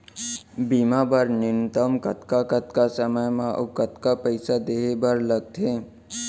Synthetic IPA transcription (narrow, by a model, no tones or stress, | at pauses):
bimabəɾnɪnt̪əmkət̪kakət̪kasəməjmãʔokət̪kapəɪsad̪eːebəɾləɡ̚t̪ʰẽː